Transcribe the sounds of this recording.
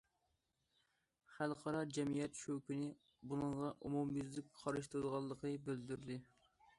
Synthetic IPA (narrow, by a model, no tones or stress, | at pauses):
χælˠqʰɑɾɑd͡ʒɛmijɛt̪ʃøwkʲinɪ | bunɨɴʁɑʔumumjyzlɪk̚ʲχʰɑɾɨʃt̪ɨɾɨd̪əʁɑlˠːəqʰəbøld̪yɾd̪ɪ